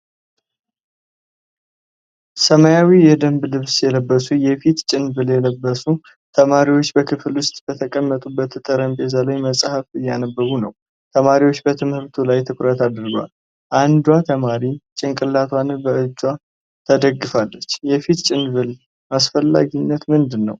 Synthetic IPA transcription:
səməjawijɛd̪əmblɨβsjɛləbːəsujɛfit̪t͡ʃʼɪnbɨljɛləbːəsu | t̪ʰəmaɾiwot͡ʃːbəkʰɨflwʊst̪ʼb̥ət̪ʰəkʼəmːət̪ʼubːət̪ʰːət̪ʼəɾəmt̪ʼezalajməsʼhəfɨjːanəbːəɡunəw | t̪ʰəmaɾiwo̞t͡ʃːbət̪ʰɨmhɨɾt̪ʰulajt̪ʰɨkʼɾət̪ad̪ɾɡwa̰l | ʔand̪wat̪ʰəmaɾit͡ʃʼɪŋkʼɨlːat̪ʰwanɨnbəʔɨd͡ʒːwa | t̪ʰəd̪əɡːɨfalːət͡ʃːjɛfit̪t͡ʃʼɪnβɨl | masfəlːa̰ɡinːət̪mɨnd̪ɨnːə̰w

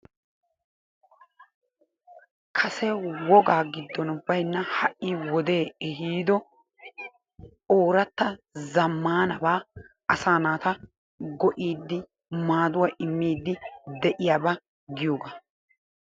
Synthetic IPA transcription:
kʰɐsɛwɔɡaːɡɪd̪ːɔnʊbːɐjnːɐhɐʔʔːiwɔd̪e̞ːɛɦiːd̪ɔ | oːɾɐt̪ːɐzɐmːaːnɐbaː | ɐsaːnaːt̪ɐ | ɡɔʔiːd̪ːɪ | maːd̪ʊwɐʔɪmːiːd̪ːɪd̪ɛʔɪjaːbɐ | ɡɪjoːɡaː

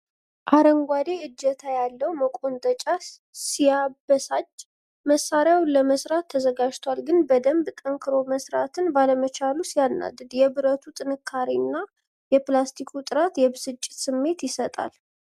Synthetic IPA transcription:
ʔaɾəŋɡʷad̪e̞ʔɨd͡ʒːət̪ʰajalːəwməkʼo̞nt̪ʼət͡ʃʼa | sijabːəsad͡ʒ | məsːaɾjawləməsɾat̪ʰːəzəɡad͡ʒt̪ʰwalɡɨnbəd̪əmbt̪ʼəŋkʰɨɾo̞məsɾat̪ʰɨnbaləmət͡ʃalusijanːa̰d̪ɨd̪jɛbɨɾət̪ʰut̪ʼɨnɨkʰːaɾinːa | jɛplast̪ʰikʰut̪ʼɨɾat̪jɛbɨsɨt͡ʃʼːɪt̪sɨmːe̞t̪jɪsət̪ʼa̰l

